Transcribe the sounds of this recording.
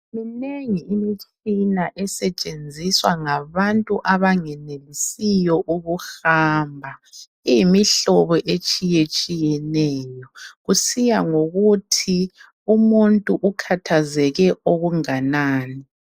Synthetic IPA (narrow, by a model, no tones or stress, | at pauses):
mineŋiːmit͡ʃʼinaʔɛsɛt͡ʃʼend͡zʱiswaŋaβantʼuʔaβaŋɛnelisijɔʔuɣuxaːmbʱa | ijimiɬɔβɔʔet͡ʃʼijet͡ʃʼijɛnɛːjɔɣusijaŋoɣutʰi | umuntʼuʔukʰatʰazɛɣɛoɣuŋanaːni